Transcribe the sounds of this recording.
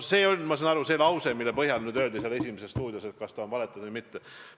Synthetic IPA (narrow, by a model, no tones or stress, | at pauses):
se̞ːo̞lʲmɑsɑːnɑɾuse̞lɑwse̞milːepɤɦjɑlnyːd̪øld̪iseɑle̞sʲimesest̪uːd̪ʲjoset̪̚kɑst̪ɑonvɑlet̪ːˑud̪̥vijmit̪ːe